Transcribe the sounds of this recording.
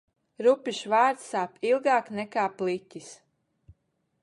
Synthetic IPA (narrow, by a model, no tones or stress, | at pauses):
ɾupiʃvaːɾt̪saːpilˠɡaːknɛkaːplˠitʲis